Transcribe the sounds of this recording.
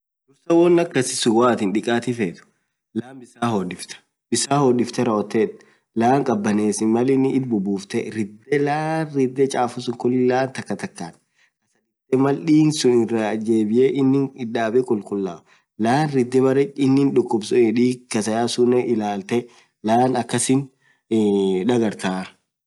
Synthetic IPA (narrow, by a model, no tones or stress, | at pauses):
dʊɾsɐwɔnːɐkːɐsɪ̥sʊwaːt̪ɪnᶑɪkʼaːt̪ɪfeːt̪ʊ̥ | laːmbɪsaːhɔdɪft̪ɐ̥ | bɪsaːhɔdɪft̪ɛɾɐɔt̪ːeᶑ | laːŋkʼɐbːɐneːsɪnmɐlɪnɪɪd̪̚bʊbuːft̪ɛɾɪd̪ːɛlaːnrɪd̪ːɛt͡ʃʼaːfʊsʊŋkʊlɪlaːnt̪ɐkːɐt̪ɐkːaːᶑ | kɐsɐɾɪd̪ːɛmɐlɗiːnsʊnɪrːɐd͡ʒeːbɪjeʔɪnːɪŋɪdaːbɛkʼʊlkʼʊlːaː | laːnɾɪd̪ːɛbɐɾɛɪnːɪnᶑʊkːʊbsɔɛᶑiːkɐsɐjaːsʊnːɛʔɪlaːlt̪ɛ | laːnɐkːɐsɪn | ᶑɐɡɐɾt̪aː